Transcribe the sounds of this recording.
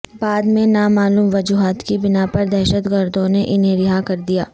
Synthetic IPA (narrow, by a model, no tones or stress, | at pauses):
baːd̪mẽnamaːluːmʋɐd͡ʒuːɦaːt̪kibɪnapɐɾd̪ɛːʃət̪ɡəɾd̪õneʔɪnɦẽɾɪɦakɐɾd̪ijaː